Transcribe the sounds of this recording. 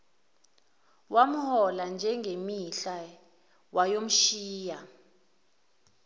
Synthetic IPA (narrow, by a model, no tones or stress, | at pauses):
wam̩hɔland͡ʒʱɛŋɡʱemiɬa | wajom̩ʃiːja